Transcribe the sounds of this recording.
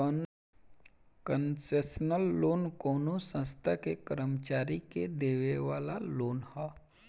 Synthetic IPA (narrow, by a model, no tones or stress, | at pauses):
kənseːsənəlːoːnkoːnosə̃st̪ʰakekəɾəmət͡ʃaːɾiked̪eːʋeʋaːlaloːnhɛː